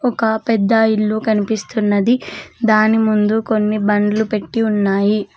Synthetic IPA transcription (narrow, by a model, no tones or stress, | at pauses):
ɔkɐpɛd̪ːɐilːukɐnipist̪unːɐd̪id̪aːnimund̪uko̞nːibɐɳɖlupe̞ʈːiunːaːji